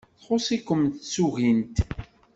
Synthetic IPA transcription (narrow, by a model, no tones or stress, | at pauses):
θχʊsˤikʷːəmt̪t͡sːuɣint̪